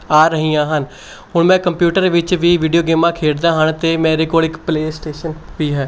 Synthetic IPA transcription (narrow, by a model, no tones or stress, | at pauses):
aːɾəɦiːjãːɦən | ɦʊɳmɛ̃ːkəmpjuːʈəɾʋɪt͡ʃʋiːʋiːɖijoːɡeːmãːkʰeːɽd̪aːɦəɳt̪eːmɛ̃ːɾeːkoːlɪkpleːsʈeːʃənʋiːɦɛː